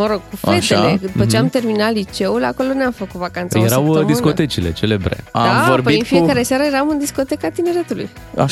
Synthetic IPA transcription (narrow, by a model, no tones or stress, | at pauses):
məɾo̞ɡ̥̚kufeteled̪upət͡ʃeamt̪e̞rminat̪lit͡ʃe̞ulako̞loneamfəkut̪vakant̪sjeɾawdmisnkot̪e̞t͡ʃile̞̰t͡ʃelebɾḛaaoɾpboiɨfiekaɾesaɾəje̞ɾamɨnd̪isko̞t̪e̞kat̪ine̞ɾe̞t̪ulṵj | a̰